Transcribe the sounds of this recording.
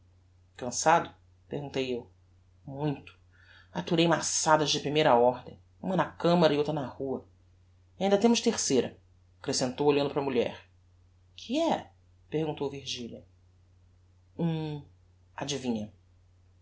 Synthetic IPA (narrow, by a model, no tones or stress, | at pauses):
kɐ̃sad̪ʊ | pḛhɡũnt̪ejew | mũj̃t̪ʊ̥ | at̪uɾejmasad̪ɐzd͡ʒɪpɾimejɾɐɔɾd̪ḛ̃j̃ | ũmɐnɐkɐ̃mɐɾɐiowt̪ɾɐnɐhuɐ | aĩnd̪ɐt̪ẽmʊʃt̪eɾsejɾɐ̰ | akɾesẽnt̪owoʎɐ̃nd̪ʊpɾɐmuʎɛ̰ɾ | kʰɪɛ | pehɡũnt̪owviɾʒiʎɐ | ũ | ad͡ʒivĩɲɐ